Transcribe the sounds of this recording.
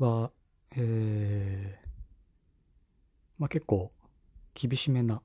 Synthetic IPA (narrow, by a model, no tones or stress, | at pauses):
βa | eː | make̞kːo̞ː | kʲʰibʲiɕime̞na